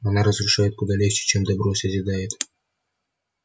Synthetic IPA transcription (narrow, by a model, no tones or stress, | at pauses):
ɐnaɾəzɾʊʂajɪt̪̚kʊd̪alʲext͡ʃɪ̥t͡ɕemd̪ɐbɾosʲəzʲɪd̪ajɪt̪